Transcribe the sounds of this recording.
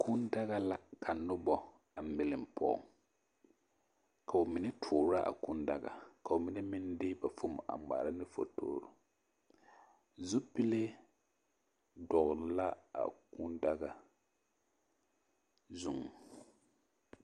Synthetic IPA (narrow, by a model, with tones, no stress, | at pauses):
kʰu˦nda˦ɣa˦la˦kʰa˨nʊ˦bɔ˦ | a˨m̩˨bɪ˨lɪ˨m˨pʰɔ̰˨ŋ | ka˨o˨mi˨nɛ˦tʰʊː˨ɾa˦ʔa̰˨ku˦nda˦ɡa̰˨ka˨o˨mi˦nɛ˦mɪ˦ndɪ˦ba˨fo˦m˨ʔa̰˨ma̰ː˨ɾa˦nɪ˦fo̰˨to̰ː˦ɾʊ̰˨ | zu˦pi˦le˦ | dɔ˨ɣɾla˦a̰˨ku˦nda˦ɡa˨ | zʊ˨ŋ˨